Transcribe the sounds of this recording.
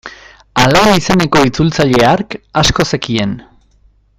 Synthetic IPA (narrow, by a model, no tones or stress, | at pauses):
alajnise̞ne̞ko̞it͡sult͡saʎe̞aɾkasko̞se̞kie̞n